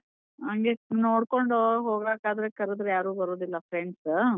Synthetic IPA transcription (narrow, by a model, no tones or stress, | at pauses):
ɐŋɡenoːɽkoɳɖoɦoːɡbeːkaːd̪ɾekɐɾed̪ɾejaːɾuːbɐɾoːd̪ilːɐpɾeɳɖs